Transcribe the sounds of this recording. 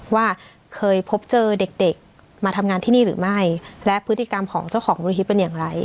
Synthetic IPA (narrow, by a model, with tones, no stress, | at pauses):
waː˥˩ | kʰɤː˧jpʰo˦˥p̚t͡ɕɤː˧de˨˩k̚de˨˩k̚ | maː˧t̪ʰa˧mŋaː˧nt̪ʰiː˥˩niː˥˩ɾɯː˩˦ma˥˩jlɛ˦˥ʔpʰɯ˦˥t̪ːi˨˩ka˧mkʰɔ̰ː˩˦ŋt͡ɕa˥˩wxʰɔː˩˦ŋbɔː˧ɾi˧ɦʰi˦˥t̪̚pe˧njaː˨˩ŋɾa˧j